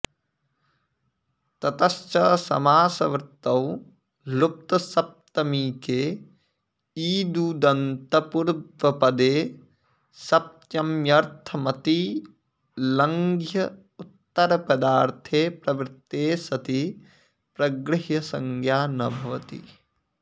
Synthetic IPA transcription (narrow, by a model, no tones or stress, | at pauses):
t̪ɐt̪ɐst͡ʃɐsɐ̰maːsɐʋɾt̪ːɐw | lup̚t̪ɐsɐp̚t̪ɐmiːkeː | iːd̪uːd̪ɐnt̪ɐpuɾd̪ʋɐpɐd̪eː | sɐp̚t̪jɐmjɐɾt̪ʰɐmɐt̪i | lɐŋɡʱjɐ | ut̪ːɐɾɐpɐd̪aːɾt̪ʰeːpɾɐʋɾt̪ːeːsɐt̪i | pɾɐɡɾɪɦjɐsɐŋɡjaːnɐbʱɐʋɐt̪ḭ